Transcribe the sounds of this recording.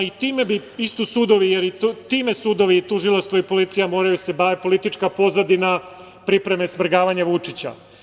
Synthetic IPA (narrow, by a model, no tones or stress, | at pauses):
it̪iːme̞biist̪usuːd̪o̞ʋijeɾit̪t̪iːme̞suːd̪o̞ʋiːt̪uʒilˠast̪ʋoipo̞lit̪sijamo̞ːɾajusebaːʋepo̞lit̪it͡ʃkapo̞zad̪ina | pɾipɾe̞me̞smɾ̩ɡaːʋaɲaʋut͡ʂit͡ɕa̰